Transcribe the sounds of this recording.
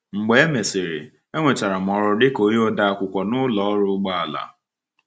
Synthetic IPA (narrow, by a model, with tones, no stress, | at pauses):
ŋ͡m̩˨ɡ͡be˨˦e˦me˨sɪ˨ɾḛ˨ | e˦ŋʷe˨ta˨ɾa˨m˨ɔ˨˦ɾʊ˨dɪ˦ko˨˦jo˦da˦a˦˨kʷʊ˨kʷɔ˨nʊ˦lɔ˨ɔ˦ɾʊ˦ɡ͡ba˦a˨la̰˨